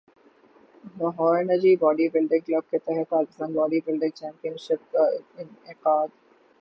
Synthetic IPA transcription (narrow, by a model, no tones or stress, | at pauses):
nɔːɦɔːɾenəd͡ʒibɔːɖibɪlɖɪ̃ŋklɐb̚ket̪ɛɦɛpaːkɪst̪ãːnbɔːɖibɪlɖɪ̃ŋɡ̚t͡ʃɛ̃ːmpijənʃɪp̚kaɪnɪqaːd̪